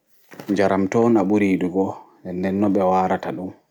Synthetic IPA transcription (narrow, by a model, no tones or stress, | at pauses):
ɲd͡ʒaɾamtɔnaɓuɾiːɗuɡɔ | ɛndɛnːɔɓɛwaːɾataɗum